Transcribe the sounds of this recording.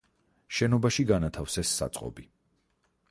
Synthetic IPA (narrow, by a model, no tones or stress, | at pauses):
ʃɛnɔbaʃiɡanat̪ʰafsɛsːa̰t̪sʼqʼɔ̰bi